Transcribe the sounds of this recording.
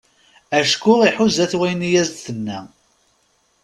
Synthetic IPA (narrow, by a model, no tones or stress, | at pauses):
æʃkʊʁiħuzæθwæjnijæzd̪θənːæ